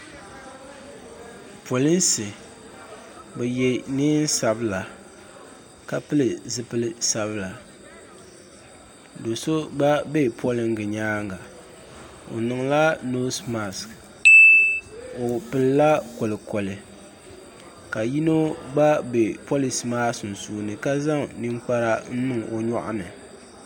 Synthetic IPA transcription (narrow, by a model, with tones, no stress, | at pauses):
pʰo˨lɪ˦nsɨ˨ | bɛ˨jɛ˨nɪ˦n˦sa˨bɨ˦la˨ | ka˦pɨ˦lɨ˨zɨ˦pɨ˦lɨ˦sa˨βɨ˦la˨ | do˨so˦ɡ͡ba˦be˦pʰɔ˦lɪ˨ŋ˦ɡɨ˨ɲaː˦ŋɡa˨ | o̰˨nɨ˨ŋla˦no˦sma˨sk | o˨pɨ˨lla˦ko˨lɨ˨kɔ˨lɨ˨ | ka˨ji˦no˦ɡ͡ba˦be˨po˦li˨si˨maː˦sʊ˨n̩˨suː˨nɨ˨ka˦za˦ŋni˦ŋ͡mk͡pa˦ɾa˦n̩˦mɨ˦ŋo˨ɲɔ̰˦˨ʔa̰˦nɨ˨